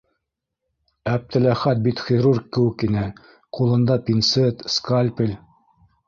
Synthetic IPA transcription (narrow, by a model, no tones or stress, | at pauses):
æp̚t̪ɘ̆læχæt̪̚bit̪χʲiɾurkːɘ̆wɘ̆kinɘ | qulˠɤ̆nd̪ɑpʲinsɘt̪skalʲpʲilʲ